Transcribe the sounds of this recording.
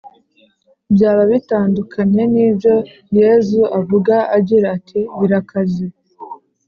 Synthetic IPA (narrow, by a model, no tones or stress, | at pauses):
bjaːβaβitaːndukʰaɲe̞niːbjo̞ | je̞ːzuʔavuɡaʔaɟiɾaːtʰiβiɾakʰazi